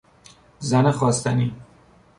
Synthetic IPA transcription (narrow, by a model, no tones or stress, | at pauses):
zænexɒːst̪ʰæniː